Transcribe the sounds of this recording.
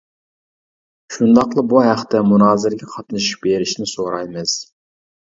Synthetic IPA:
ʃund̪ɑqlˠəbuɦæχt̪ɛmunɑːzɪɾɡʲɛqʰɑt̪nɨʃu̥beɾɪʃnɪsoɾɑjmɨz̥

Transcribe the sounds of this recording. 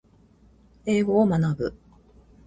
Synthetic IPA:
e̞ːɡo̞ːmanabɯ̟̰

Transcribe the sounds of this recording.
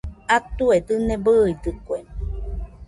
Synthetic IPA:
at̪uet̪ɨnẽbəid̪ɨkʷe

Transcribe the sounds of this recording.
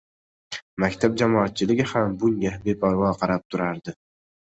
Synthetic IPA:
makʲt̪ʰab̚d͡ʒamɒat̪̚t͡ʃʰɪlɪɡʲɪhambʊŋɡʲabepʰaɾwɒqʰɑɾap̚t̪ʰʊɾaɾd̪ɪ

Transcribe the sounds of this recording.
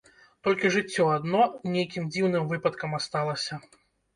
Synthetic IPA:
t̪ɔlʲkʲiʐɨt͡sʲːɔad̪nɔnʲejkʲimd͡zʲiwnɨmvɨpɐt̪kɐmast̪alˠɐsʲɐ

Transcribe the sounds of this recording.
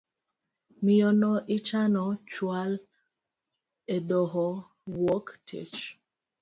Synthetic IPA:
miɔnɔʔɪt͡ʃanɔt͡ʃwal | edɔɦɔ | wɔktʰḛt͡ʃ

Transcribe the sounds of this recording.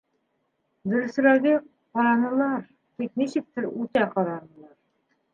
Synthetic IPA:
d̪ɵ̆ɾɘ̆s̆ɾæβi | qɑɾɑnɤ̆lˠɑɾ | b̪ik̪̚niɕɘ̆k̚t̪ɘɾʉt̪æqɑɾɑnɤ̆lˠɑɾ

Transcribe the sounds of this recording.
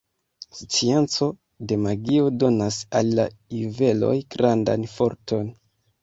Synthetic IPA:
st͡sie̞nt͡so̞ | de̞maɡio̞do̞nasalːaive̞lo̞̰jɡ̥ɾanda̰nfo̞ɾtʰo̞n

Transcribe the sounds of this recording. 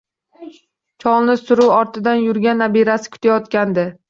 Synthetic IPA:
t͡ʃʰɒlˠnɪsʊɾuwɒɾt̪ʰɪd̪anjʊɾɡʲanːabiɾasɪ̥kʰʊ̥t̪ʰajɒt̪kʲand̪ɪ

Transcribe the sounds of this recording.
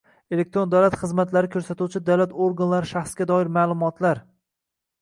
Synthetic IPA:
e̞lek̚t̪ɾond̪awlat̪χɨzmat̪ʰlaɾɪkʰɵɾsat̪ut͡ʃʰɪd̪awlat̪oɾɡanlaɾɪʃaχsɡʲad̪ɒɪɾmaːlˠʊmɒt̪ʰlaɾ

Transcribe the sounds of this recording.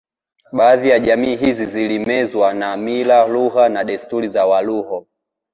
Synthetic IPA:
ɓaːðijaʄamiːɦizizilimɛzwanamilaluɦanaɗɛstuɾizawaluhɔ

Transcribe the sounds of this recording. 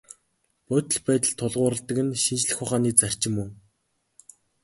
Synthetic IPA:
pʊt̪ə̆ɮpæːt̪ə̆ɮt̪ʰːʊɮʁʊːɾə̆ɮt̪ə̆kɘ̆nʃint͡ɕɮɘ̆xʊχaːniːt͡sær̥ʲt͡ɕɪ̆mːɵŋ

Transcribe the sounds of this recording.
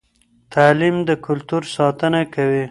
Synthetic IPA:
t̪aːlimd̪əkʊlt̪uɾsɑt̪ənakawi

